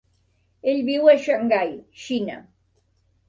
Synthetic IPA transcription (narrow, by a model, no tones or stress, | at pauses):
eʎbiwaʃaŋɡajʃina̰